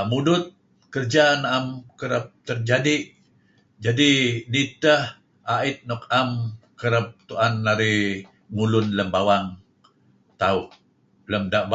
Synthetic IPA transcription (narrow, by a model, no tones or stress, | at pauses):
mudʊt̪̚ | kərd͡ʒanaamkəɾəp̚t̪ərd͡ʒadiʔ | d͡ʒadinit̪əh | aɪt̪̚nɔkamkəɾəp̚t̪uʔanːaɾi | ŋulʊnləmbawaŋ | t̪auʔ | ləmdaʔb